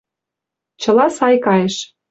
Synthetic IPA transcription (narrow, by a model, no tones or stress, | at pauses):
t͡ɕɤ̆lɑsɑjkɑjeʃ